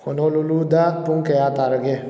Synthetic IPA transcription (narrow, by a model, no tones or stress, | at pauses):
honolulud̪apuŋkejat̪aɾəɡe